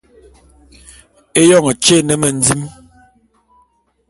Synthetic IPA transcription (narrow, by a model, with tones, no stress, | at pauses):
e˦jɔ˦˨ŋə˨t͡ʃe˦˨nə˨mə˨n̩˨˦d͡zi˦m